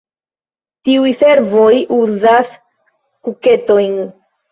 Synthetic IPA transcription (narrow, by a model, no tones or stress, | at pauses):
tiujse̞ɾvo̞juzas | kuke̞to̞jn